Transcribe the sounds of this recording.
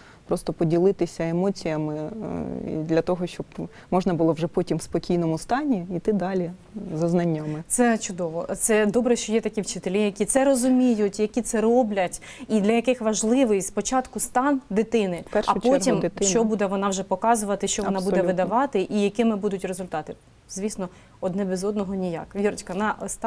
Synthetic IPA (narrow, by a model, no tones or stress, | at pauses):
pɾɔst̪ɔpɔdʲilˠɪt̪ɪsʲɐemɔt͡sʲijɐmɪ̰ | d̪lʲɐt̪ɔɦɔʃt͡ʃɔb | mɔʒnɐbʊlˠɔwʐɛpɔtʲimwspɔkʲijnɔmʊst̪ɑnʲiit̪ɪd̪ɑlʲi | zɐznɐnʲːamɪt̪sɛt͡ʃʊd̪ɔʋɔt̪sɛd̪ɔbɾɛʃt͡ʃɔjɛt̪ɐkʲiwt͡ʃɪt̪elʲijɐkʲit̪sɛɾɔzʊmʲijʊtʲjɐkʲit̪sɛrɔblʲɐtʲ | id̪lʲɐjɐkɪxʋɐʒlˠɪʋɪjspɔt͡ʃɑt̪kʊst̪ɑnd̪ɪt̪ɪnɪpɛʃɐpt͡ʃɔtʲimd̪ʃt͡ʃɔbud̪ɛʋɔnɑwʒɛpɔkɑzʊʋɐt̪ɪʃt͡ʃɔʋɔnɑbuɛʋɪd̪ɐʋɑt̪ɪʔijɐkɪmɪbud̪ʊtʲrezʊlʲt̪ɑt̪ɪ | zʲʋʲisnɔ | ɔd̪nɛbʲizɔd̪nɔɦɔnʲijɑ̰kʋʲiɾɔt͡ʃʲkɐnɑst̪